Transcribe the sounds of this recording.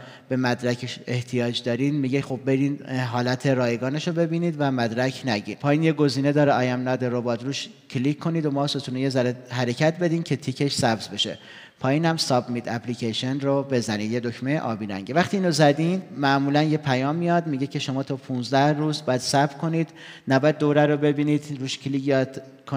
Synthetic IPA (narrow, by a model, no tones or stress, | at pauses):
b̥e̞mæd̪ɾækʰeʃe̞ht̪ʰijɒːd͡ʒd̪ɒːɾind̪miːɟexo̞bːe̞ɾiːnɦɒːlæt̪ʰe̞ɾɒːjeɡɒːneʃobe̞biːniːd̪væmæd̪ɾæcʰnæɟḭːnpʰɒːjiːnjeɡo̞ziːne̞d̪ɒːɾeɒːjæmnɒːd̪eɾobɒːt̪ɾuːʃ | cʰlikʰːo̞niːd̪omɒːso̞t̪ʰuːnejezæɾehæɾe̞cʰæt̪ʰbe̞d̪iːmcʰe̞t̪ʰiːkʰe̞ʃsæbzbe̞ʃe̞̰ | pʰɒːjiːnhæmsɒbmit̪ʰæplicʰeʃenrobe̞zæniːd̪jed̪ocʰmej̰ʔɒ̰ːbiːɾæ̰ŋɟevæχt̪iiːnozæd̪iːnd̪mæʔmuːlænjepʰæjɒːmːijɒd̪miɟe̞cʰe̞ʃo̞mɒːt̪ʰɒːpʰuːnzd̪æhruːzbɒːjæd̪̥sæbkʰo̞niːd̪ | næbɒːjæd̪̚ːoɾæɾobe̞biːniːd̪ruːʃkʰlikːt̪ | kʰo